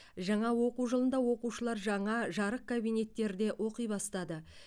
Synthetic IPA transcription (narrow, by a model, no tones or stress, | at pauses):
ʒɑɴɑwo̞quwʒəlˠənd̪ɑwo̞quʃəlˠɑɾʒɑɴɑʒɑɾəq̚kʰabijne̞t̪ːe̞ɾd̪e̞ʔo̞qəjbɑst̪ɑd̪ə